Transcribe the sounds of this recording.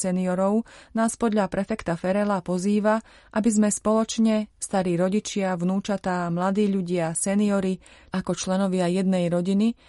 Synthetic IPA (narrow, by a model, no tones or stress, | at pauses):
sɛniɔɾɔʊnaːspɔd̪ʎapɾʔɛfɛkt̪afɛɾɛlapɔziːʋa | ʔabizmɛspɔlɔt͡ʃɲɛst̪aɾiːɾɔɟit͡ʃɪavnuːt͡ʃat̪aːmlad̪iːʎuɟɪasɛniɔɾiakɔt͡ʃlɛnɔʋɪajɛd̪̚nɛjɾɔɟini